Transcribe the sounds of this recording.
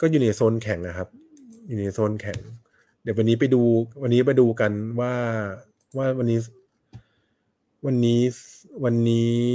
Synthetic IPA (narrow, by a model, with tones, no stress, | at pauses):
kɔː˥˩juː˨˩na˧soː˥˩˨nkʰɛ˨˩˦ŋʔa˨˩kʰa˦˥p̚ | juː˨˩na˧soː˧˥˩nkʰɛ˨˩˦ŋ | d̪i˩˦wa˧nːiː˦˥p̬a˧jduː˧wa˧nːiː˦˥p̬a˧jduː˧ka˧nwaː˥˩ | waː˥˩wa˧nːiː˦˥ | wa˧nːiː˦˥wa˧nːiː˦˥